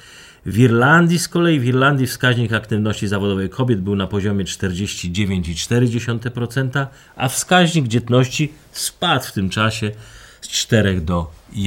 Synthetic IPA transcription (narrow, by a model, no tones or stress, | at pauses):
vʲiɾland̪ʲjiskɔlɛjivʲiɾland̪ʲjifskaʑɲikakt̪ɘvnɔɕt͡ɕizavɔd̪ɔvɛjkʰɔbʲjɛd̪̚bɘwnapɔʑɔmʲjɛt͡ʂt̪ɛɾd͡ʑeɕt͡ɕid͡ʑevʲjeɲt͡ɕit͡ʂt̪ɛɾɘd͡ʑeɕɔnt̪ɛpɾɔt̪sɛnt̪a | afskaʑɲiɡd͡ʑɛt̪nɔɕt͡ɕi | spat̪ft̪ɘmt͡ʂaɕɛst͡ʂt̪ɛɾɛɣd̪ɔ